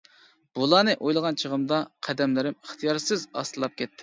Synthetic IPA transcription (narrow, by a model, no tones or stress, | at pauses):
b̥ulˠɑːnɨʔojlˠəʁɑnt͡ʃʰəʁəmd̪ɑqʰæd̪ɛmlɪɾɪməχt̪ʰijɑɾsɪzɑ̰st̪ɨlˠɑp̚kʲʰɛt̪ʰːɪ